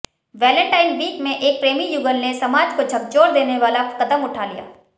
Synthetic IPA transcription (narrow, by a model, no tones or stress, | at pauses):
ʋɛːlə̃ɳʈaːɪnʋiːkmẽʔeːk̚pɾeːmijuɡəlnesɐmaːd͡ʒkod͡ʒʱɐɡ̚t͡ʃoːɾd̪eːneʋaːlakɐd̪əmʊʈʰalḭja̰ː